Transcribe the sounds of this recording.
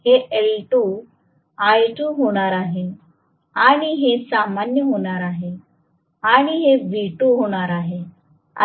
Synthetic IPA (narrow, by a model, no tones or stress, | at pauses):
heʔelʈu | ajʈuːɦoɽ̃aɾaɦe | aɽ̃iɦesamanjəɦoɽ̃aɾaɦe | aɽ̃iɦebʱiʈuɦoɽ̃aɾaɦe | a̰